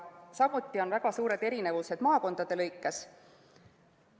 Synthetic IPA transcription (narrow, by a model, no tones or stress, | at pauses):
sɑmut̪ˑːio̞nvæɡ̥ɑsuːɾe̞d̪e̞ɾine̞vuse̞d̪̥mɑːko̞nd̪̥ɑd̪̥e̞lɤjkːˑes